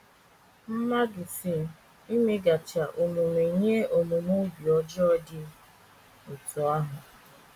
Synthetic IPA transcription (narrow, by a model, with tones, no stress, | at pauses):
m̩˦ma˦dʊ˨si˦˨ | i˦me˦ɡa˨t͡ʃa˨ʔo˨mu˨me˨ɲe˦o˨mu˨mo˦bi˨ɔ˦d͡ʒɔ˦ɔ˦dɪ˦ | ʊ˨tɔ˨a˦ɦʊ˨